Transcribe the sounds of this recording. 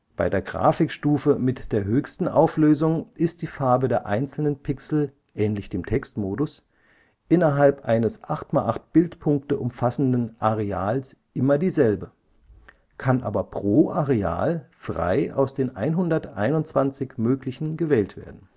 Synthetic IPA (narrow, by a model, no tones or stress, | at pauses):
b̥aɪdeːɐɡʁa̰ːfɪkʃtuːfəmɪtd̥eːɐɦøːçstn̩ʔaʊfløːzʊŋʔɪst̚d̥iːfaɐbədeːɐʔaɪnt͡sl̩nənpʰɪksl̩ | ʔɛːnlɪçd̥eːmtʰɛkstmoːdʊs | ʔɪnɐɦalpʔaɪnəsʔaχtmaːlʔaχt̚b̥ɪltpʰʊŋktəʔʊmfasn̩dn̩ʔaʁeaːlsʔɪmɐdiːzɛlbə | kʰanʔa̰ːbɐpʁ̥oːʔaʁea̰ːlfʁ̥a̰ɪa̰ʊsd̥eːnʔa̰ɪnɦʊndɐtʔa̰ɪnʊntt͡sv̥ant͡sɪçmøːklɪçn̩ɡəvɛːltv̥ḛːɐdn̩